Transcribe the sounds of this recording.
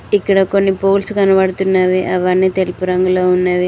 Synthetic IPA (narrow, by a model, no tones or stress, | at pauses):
ikːɐɽɐko̞nːipo̞ːlsukɐnɐʋɐɽut̪unːaːʋiʔɐʋɐɳːit̪elipuɾɐŋɡuloːunːaːʋi